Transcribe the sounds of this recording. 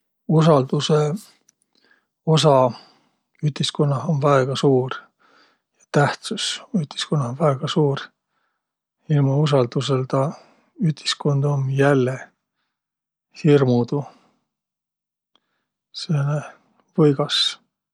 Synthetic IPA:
usɑld̪̥use | o̞sɑ | yht̪iskonːɑɦonvæeɡ̥ɑsuːr | jɑt̪æht̪susyht̪i̥skonːɑhonvæeɡ̥ɑsuːɾ | ilmɑus̬ɑld̪̥us̬e̞lt̪ɑ | yht̪i̥sko̞nd̪omjælːe | hirmud̪u | sene | vɤjɡ̥ɑs

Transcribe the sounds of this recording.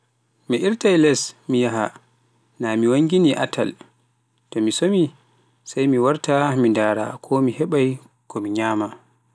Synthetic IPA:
miʔiɾtajlɛsmijaɦa̰ | namiwaŋɡiniʔa̰tʰa̰l | tɔmisomi | sajmiwaɾtamindaːɾa̰kʰɔmihɛɓaj | kʰɔmiɲaːma

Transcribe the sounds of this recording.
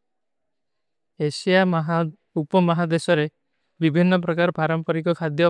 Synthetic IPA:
esijaɦ | upɔmɔɦad̪esɔɾe | bibʱinːɔp̬ɾɔkaɾɔpaɾɔmpɔɾikɔkʰad̪jɔ

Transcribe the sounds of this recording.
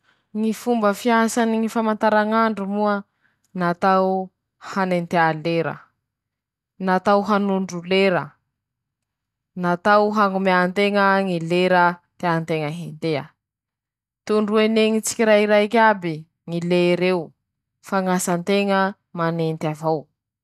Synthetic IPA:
ŋifumbəfiasaniŋifamant̪aɾaŋaɳɖ͡ʐumuə | nat̪aw | hanent̪ealeɾə̰ | nat̪awɦanuɳɖ͡ʐuleɾə | nat̪awɦaŋumeant̪eŋəŋileɾət̪eant̪eŋəɦent̪eə̰ | t̪uɳɖ͡ʐueneŋit͡si̥kʲiɾaɦiɾajkʲabi | ŋileɾew | faŋasant̪eŋə | manent̪avaw

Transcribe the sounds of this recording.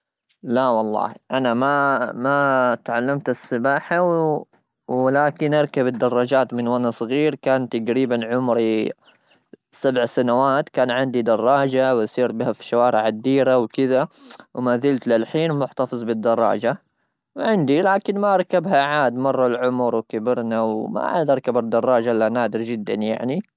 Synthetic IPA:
lawɑlˤːɑ̰ːhʔanamamat̪ʕalːamt̪ɪsːɪbaːħaw | wɪlaːkɪnʔɑɾˤkabɪd̪ːɑrˤːɑd͡ʒaːt̪mɪnwanasˤɣiːɾkaːnt̪aɡɾiːbanʕʊmɾi | sabʕsanawaːt̪kaːnʕɪnd̪id̪ɑrˤːɑːd͡ʒawsˤiːɾbihafi̥ʃawɑːɾˤɪʕad̪ːiːɾawkɪðawmaːðɪlt̪lɪlħiːnmʊħt̪ɑfɨzˤbɪd̪ːɑrˤːɑ̰ːd͡ʒa | wʕɪnd̪ilaːkɪnmaʔɑɾˤkabɦaʕaːd̪mɑrˤːɑlʕʊmɾwkabɪɾnawma̰ʕa̰d̪ɑɾˤkabɪɾd̪ɑrˤːɑːd͡ʒaʔlːanaːd̪ɪɾd͡ʒɪd̪ːa̰nja̰ʕni

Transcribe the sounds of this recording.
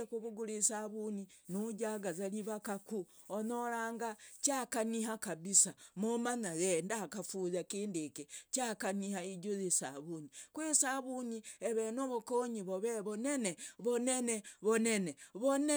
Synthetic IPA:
ekuβuɡulisaβuninuɟaɡazaliβakaku | onolaːŋɡat͡ʃakaniɦakaβisamomanaɣendakafuzakiːndiket͡ʃakanihaiɟozisaβuɲikwesaβuɲieβenoβokoɲiβoβeβoneneβoneneβoneneβone

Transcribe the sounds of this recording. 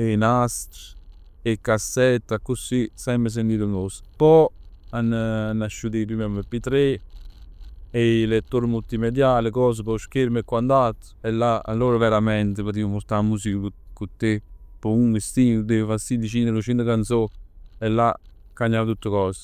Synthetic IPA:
enast̪ | ekːasːɛt̪ːakːusːisɛmpɾes̬ent̪iːt̪unospɔanːnːaʃːud̪epimɛmepːit̪ɾe | elet̪ːoɾmult̪imed̪jaːlekɔːs̬əpɔʃkeɾmekːwuand̪at̪ː | ɛlːaa̰lːoːɾavɛɾamɛnt̪epat̪̬iupoɾt̪amːusikəukut̪ːepɔuŋɡest̪iːud̪efasid̪it͡ʃinelut͡ʃint̪əkansoɛlːa | kːaɲːaːvt̪ut̪ːəkɔːs

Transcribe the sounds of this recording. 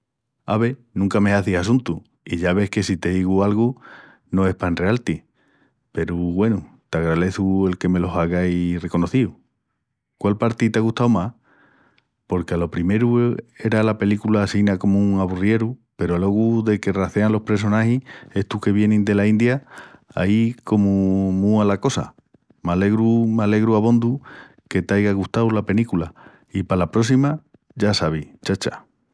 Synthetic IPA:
a̰β̞e̞nũŋkame̞aθisasunt̪u | iʝaβ̞e̞hke̞sit̪e̞ðiɣualɣu | no̞e̞hpanre̞alt̪i | pe̞ɾuɣwe̞nu | t̪aɣɾale̞θue̞lke̞me̞lo̞saɣajre̞ko̞no̞θiu | kwalpaɾt̪it̪aɣuht̪awmah | po̞ɾkalo̞pɾime̞ɾue̞ɾalape̞likulaːsinako̞mouŋaβurje̞ɾupe̞ɾo̞lo̞ɣuðe̞ke̞raθeanlo̞hpɾe̞so̞nahie̞ht̪uke̞βje̞nĩnd̪e̞laind̪jaa̰iko̞mumualako̞sa̰ | male̞ɣɾumale̞ɣɾuaβo̞nd̪u | ke̞t̪ajɣaɣust̪awlape̞likula | ipalapɾo̞s̬ima | ʝasaβ̞it͡ʃat͡ʃḁ̰

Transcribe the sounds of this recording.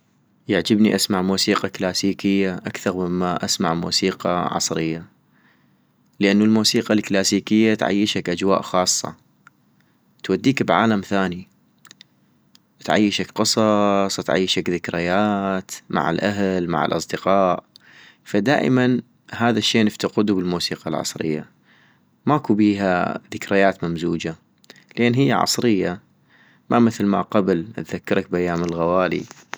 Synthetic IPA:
jaʕd͡ʒɪbniʔasmaʕmuːsiːqɑklaːsiːkɪjːaʔakθɑɾˤmɪmːaʔasma̰ʕmṵːsiːqɑ̰ʕɑ̰sˤɾɪjːa | ləʔanːulmuːsiːqalklaːsiːkɪjːat̪ʕa̰jːɪʃakʔad͡ʒwa̰ːʔxɑːsˤːɑ̰ | t̪wad̪ːiːkbʕa̰ːlamθaːni | t̪ʕa̰jːɪʃakqɨsˤɑsˤt̪ʕa̰jːɪʃakðɪkɾɪjaːt̪mʔa̰ʕa̰lʔaɦlma̰ʕɪ̰lʔɑ̰sˤd̪ɪqɑːʔ | fad̪a̰ːʔɪ̰man | ɦaːðaʃːeːnɪft̪aqʊd̪ubɪlmuːsiːqɑ̰lʕɑ̰sˤɾɪ̰jːa̰ | maʔkubiːɦa̰ðɪkɾajaːt̪mamzuːd͡ʒa | lʔeːnɦɪjːaʕɑ̰sˤɾɪjːa | mamɪθlma̰qablt̪ðakːɑɾˤɑk̚bʔajːaːmɪlɣawaːlḭ

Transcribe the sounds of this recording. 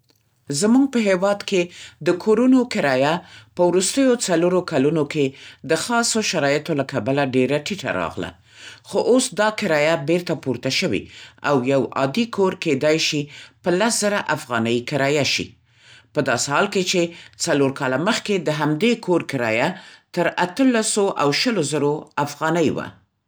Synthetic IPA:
zəmuɡ̚pəɦewɑd̪ked̪əkʰoɾunokɪɾɑjapəwɾust̪əjot͡saloɾokalunoked̪əxɑsoʃaɾɑjət̪olakabalaɖeɾaʈiʈa̰ɾɑ̰ɣla̰ | xoʔosd̪ɑkɪɾɑjabeɾt̪apuɾt̪aʃəwḭawjawɑ̰d̪ikʰoɾked̪ɑjʃipəlasz̥əɾaʔafɣɑnəjkɪɾɑjaʃḭ | pəd̪ɑsehɑlket͡ʃet͡saloɾkɑlaməxked̪əɦamd̪ekʰoɾkɪɾɑjat̪əɾat̪əlasoʔawʃəlozəɾoafɣɑnəjwa̰

